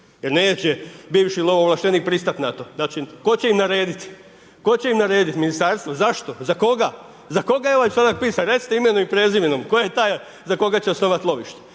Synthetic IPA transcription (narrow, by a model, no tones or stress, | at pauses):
jeɾne̞ːt͡ɕebiːʋʃilooʋlˠaʃt̪eniːk̚pɾist̪at̪nat̪o̞nat͡ʃiko̞t͡ɕeimnaɾe̞ːd̪it̪ | ko̞t͡ɕeimnaɾe̞ːd̪it̪minist̪aɾst̪ʋozaʃt̪o̞zako̞ɡa | zako̞ɡajeoʋajsad̪ak̚piːsaɾet̪si̥t̪eimenoimpɾeːziʋinomkojajet̪aːj | zako̞ɡat͡ɕeosnoːʋat̪lˠo̞ʋiʃt̪e̥